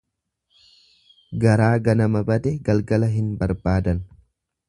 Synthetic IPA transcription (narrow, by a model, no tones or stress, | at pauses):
ɡɐɾaːɡɐnɐmɐbɐd̪ɛɡɐlɡɐlɐɦɪnbɐɾbaːd̪ɐn